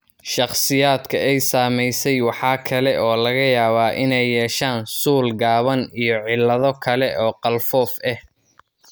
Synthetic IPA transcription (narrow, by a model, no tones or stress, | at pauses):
ʃɑχsɪjaːd̪kʰɐɛjsaːmɛjsɛjwɑħɑːkʰɐlɛʔɔːlɐɣɐjaːβaːʔɪnɛjːɛːʃaːnsuːlɡaːβɐnijɔʕɪlːɐðɔkʰɐlɛʔɔːqɑlfɔːfɛh